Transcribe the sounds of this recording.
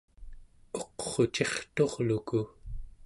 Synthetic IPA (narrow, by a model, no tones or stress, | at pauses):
o̞qχo̞t͡ʃe̞χt̪o̞ʁluku